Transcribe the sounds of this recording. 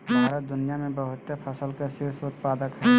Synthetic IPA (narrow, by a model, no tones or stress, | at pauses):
bʱaːɾəd̪ʊnijamẽbəɦʊt̪ːepʰəsəlkesɪɾsʊt̪paːd̪əkɦɛ